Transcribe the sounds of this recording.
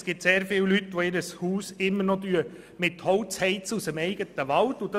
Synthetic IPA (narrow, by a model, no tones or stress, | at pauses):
sɡ̥ɪp̚t̪seːɾfɪwlytʋoɪɾəshuːsɪmːəɾnɔtyə | mɪthowtt͡shɛɪtt͡susəmɛɪɡət̪əʋɑltʊd̪ɑ